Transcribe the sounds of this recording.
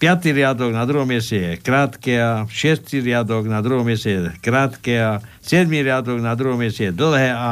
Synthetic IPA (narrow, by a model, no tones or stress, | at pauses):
pjat̪iɾjad̪ɔɡnad̪ɾuɦɔmjɛsɛjɛkɾaːt̪kɛaʃɛst̪iɾjad̪ɔɡnad̪ɾuɦɔmjɛsɛjɛkɾaːt̪kɛa | sjɛd̪miɾjad̪ɔɡnad̪ɾuɦɔmjɛsɛjɛd̪l̩ɦɛa